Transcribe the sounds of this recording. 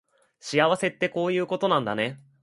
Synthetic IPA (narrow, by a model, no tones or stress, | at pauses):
ɕiaβase̞t̪ːe̞ko̞ːjɯ̟ːko̞t̪o̞nãnd̪a̰ne̞